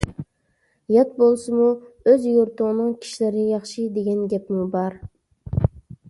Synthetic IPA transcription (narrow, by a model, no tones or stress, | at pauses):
jɑt̪̚bolˠsɨmuøzjoɾt̪ʰʊʁnɨŋkʲʰi̥ʃilæɾɪnɪjɑχʃɨd̪eɡʲɛnɡʲɛpmubɑɾ